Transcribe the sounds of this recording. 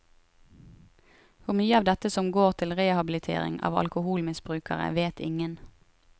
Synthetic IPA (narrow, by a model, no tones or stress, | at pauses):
hʊʁmyːəɑʋd̪ɛt̪əsɔmɡoːʁt̪ʰɪlʁeːhɑbɪlɪt̪ʰḛːʁɪ̰ŋɑ̰ːʋɑ̰lkʊhuːlmɪsbʁʉːkʰəʁə̰ʋeːt̪ʰɪŋən